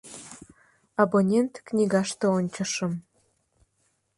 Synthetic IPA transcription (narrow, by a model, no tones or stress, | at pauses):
abonʲent̪knʲiɣɑʃt̪ɤonʲt͡ɕəʃə̆m